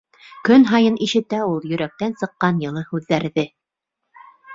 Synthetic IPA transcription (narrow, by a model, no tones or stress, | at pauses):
kɵnɦɑjɤniʃɘ̆t̪æulˠjɵ̆ɾæk̚t̪ænsɤ̆qːɑnjɤ̆lˠɤhʉðːæɾðɘ